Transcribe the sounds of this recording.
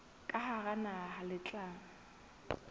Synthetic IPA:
kʼahaɣanaɦalɪt͡ɬʼaːŋ̩

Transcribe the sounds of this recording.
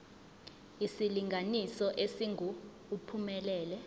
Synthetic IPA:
isiliŋɡʱanisɔʔesiŋʱuː | pʰumɛlɛːlɛ

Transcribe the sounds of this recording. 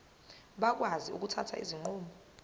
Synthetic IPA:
ɓak̬waziṵk̬utʰatʰa̰ʔḭziŋ͡ǃuːmbɔ

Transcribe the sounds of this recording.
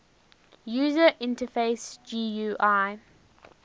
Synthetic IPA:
juːzəʔɪ̃ntəfeɪsd͡ʒiːjuːʔaɪ

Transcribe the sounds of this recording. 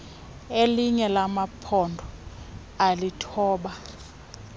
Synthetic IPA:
eliɲɛlamapʰɔndʱɔ | alitʰɔːɓa

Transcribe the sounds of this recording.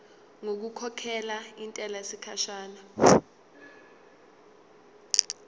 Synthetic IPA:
ŋok̬ukʰɔkʰɛlaintʼɛlasikʰaʃaːna

